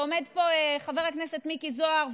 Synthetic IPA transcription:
omed̪po̞eχaveʁhaknese̞tmikizoaʁv

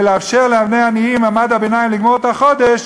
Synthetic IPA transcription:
leafʃeʁleabnejanijimamad̪habenaimliɡmoʁt̪haχo̞d̪eʃ

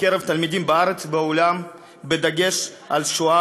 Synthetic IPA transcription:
keɾevt̪almid̪imbaaɾet͡sbeolam | bed̪aɡe̞ʃ | alʃoa

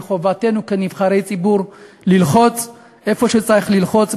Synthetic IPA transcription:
χovate̞nukenivχaʁe̞jt͡sibuʁ | lilχo̞t͡s | e̞fo̞ʃet͡saʁiχlilχo̞t͡s

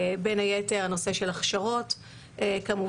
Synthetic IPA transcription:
benajeteʁano̞se̞ʃelaχʃaʁo̞t | kamuv

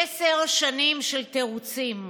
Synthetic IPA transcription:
eseʁʃanimʃelt̪eʁut͡sim

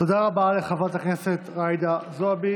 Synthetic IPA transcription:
to̞d̪aʁabaleχavat̪hakneset̪ʁajd̪azoabi

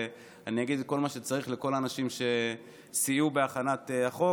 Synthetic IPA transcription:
aniaɡidko̞lmaʃe̞t͡saʁiχleko̞laːnaʃimʃe̞ | siubeaχanat̪eaχo̞

